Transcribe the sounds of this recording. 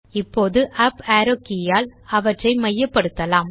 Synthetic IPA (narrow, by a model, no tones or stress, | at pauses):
ɪpːoːðɯʔaːpaːɾokːɪjaːlɐʋɐʈrɐɪmɐjːɐpːɐɽɯt̪ːɐlaːm